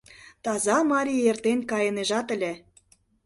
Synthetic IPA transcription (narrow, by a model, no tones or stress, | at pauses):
t̪ɑzɑmɑɾʲijert̪enkɑjəneʒɑt̪ə̆lʲĕ